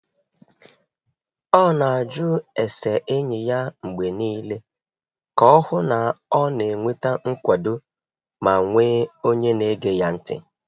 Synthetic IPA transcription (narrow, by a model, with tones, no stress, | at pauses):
ɔ˦na˨a˨d͡ʒu˦e˨se˨ʔe˦ɲɪ˨ja˦ŋ͡m̩˨ɡ͡be˨niː˦le˦ | kɔ˦hʊ˦na˨ɔ˦ne˨ŋʷe˦ta˦ŋ̩˦kʷa˨do˦ | ma˨ŋʷe˦o˦ɲe˦ne˦ɡe˦ja˦n̩˦tɪ̰˦